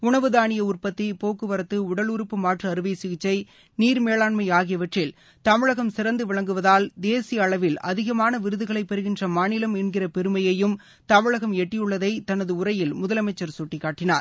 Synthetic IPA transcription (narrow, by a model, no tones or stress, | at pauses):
ʊɳɐʋɯðaːɳɪjɐʊrpɐt̪ːɪpoːkːɯʋɐɾɐt̪ːɯʊɽɐlʊɾɯpːɯmaːʈrɐːɾɯʋɐɪsɪɣɪt͡ʃːɐɪ | niːɾmeːlaːɳmɐɪaːɣɪjɐʋɐʈrɪl | t̪ɐmɪɻɐɣɐmsɪɾɐnd̪ɯʋɪɭɐŋɡɯʋɐðaːld̪eːsɪjɐːɭɐʋɪlʔɐðɪɣɐmaːnɐʋɪɾɯðɯɣɐɭɐɪpːɛɾɯɣɪndrɐmaːnɪlɐmɛnɡɪrɐpɛɾɯmɐjɐjɯm | t̪ɐmɪɻɐɣɐmɛʈːɪjɯɭːɐðɐɪt̪ɐnɐðɯʊɾɐjɪlmʊðɐlɐmɐɪt͡ʃːɐɾsɔʈːɪkːaːʈːɪnaːɾ